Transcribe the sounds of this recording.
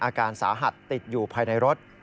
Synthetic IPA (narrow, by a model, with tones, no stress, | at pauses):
ʔaː˧kaː˧nsaː˩˦ɦa˨˩t̪ːi˨˩t̪̚juː˨˩pʰaː˧jna˧jɾo˦˥t̪̚